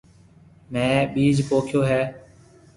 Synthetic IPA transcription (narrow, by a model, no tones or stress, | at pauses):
mɛ̃ːɓiːd͡ʒpoːkʰjoːɦɛː